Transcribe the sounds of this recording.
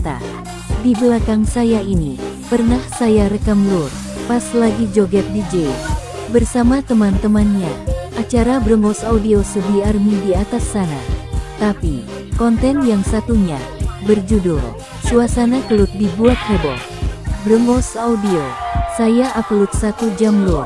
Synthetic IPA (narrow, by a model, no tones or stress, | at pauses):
t̪a̰ | dibəlakaŋsajaini | pərnahsajaɾəkamlur | paslaɡid͡ʒoɡɛt̪̚did͡ʒes | bərsamat̪əmant̪əmanɲaʔat͡ʃaɾabɾəmɔsaudiosəbiarmidiat̪asːana̰t̪api | kɔnt̪ɛnjaŋsat̪uɲa | bərd͡ʒudṵl | suasanakəlut̪̚dibuat̪̚hɔbɔ̰t̪̚ | bəɾəmbɔsaudiosajaʔaplut̪̚sat̪ud͡ʒamlur